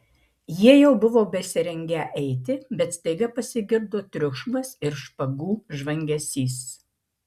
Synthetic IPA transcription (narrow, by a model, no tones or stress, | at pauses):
jiɛjɛʊbʊʋoːbʲɛsʲɪɾʲɛŋʲɡʲɛʔɛɪt̪ʲɪbʲɛt̪st̪ɐɪɡɐpɐsʲɪɡʲɪɾd̪oːt̪ʲɾʲʊʃʊmɐsɪɾʃpɐɡuːʒʋɐŋʲɡʲɛsʲiːs